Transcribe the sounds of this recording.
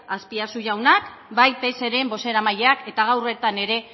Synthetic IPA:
aspiasuʝawnakbajt̪ese̞ɾe̞mbo̞se̞ɾamaʎeake̞t̪aɣawre̞t̪ane̞ɾe̞

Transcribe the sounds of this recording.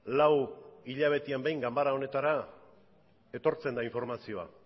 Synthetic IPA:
lawiʎaβ̞e̞t̪iambe̞jŋɡambaɾao̞ne̞t̪aɾa | e̞t̪o̞ɾt͡se̞nd̪aiɱfoɾmasio̞a̰

